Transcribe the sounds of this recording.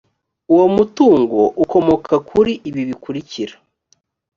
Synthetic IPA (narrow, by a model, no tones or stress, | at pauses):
uwo̞mutuːŋɡo̞̰ʔuko̞mo̞kʰakʰuɾiʔiβiβikuɾiciɾa